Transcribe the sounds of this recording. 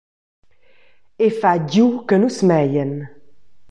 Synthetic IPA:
efaɟjukənusmɛjən

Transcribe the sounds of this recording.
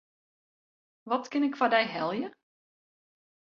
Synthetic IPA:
ʋɔtkɪnɪkfadɛjɦɛlˠjə

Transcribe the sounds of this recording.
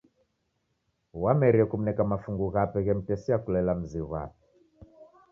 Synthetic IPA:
wamɛɾiɛkum̩nɛkamafuŋɡuɣapɛɣɛm̩tɛsiakulɛlam̩ziɣa̰p̚ɛ

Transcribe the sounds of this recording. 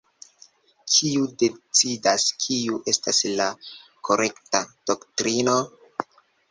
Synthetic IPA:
kʰiude̞t͡sidaskʰiuʔe̞staslakʰo̞ɾʔe̞ktad̥o̞ktɾino̞

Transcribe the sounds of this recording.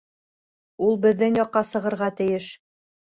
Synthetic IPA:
ulˠbɘ̆ðːɘŋjɒqːɑsɤ̆ʁɤ̆ɾʁɑt̪ɘ̆jɘʃ

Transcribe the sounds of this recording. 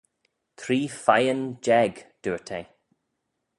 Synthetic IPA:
t̪ʰɾiːfajənd͡ʒɛɡd̪̥uːɹtʰej

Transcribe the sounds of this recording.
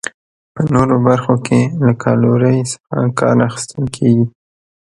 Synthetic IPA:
pənoɾobaɾxokʰelakʰɑloɾəjsḁxa̰kɑ̰ɾaxɪ̥st̪əlkʰeɡi

